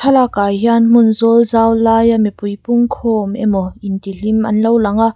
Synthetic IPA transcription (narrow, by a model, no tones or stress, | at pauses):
tʰɐlakaːjɦianm̥ʊnzɔlzaːwlaːjamipujpʊŋkʰɔːmʔɛ̰mɔʔint̪il̥imʔɐ̰nlowlɐŋaʔ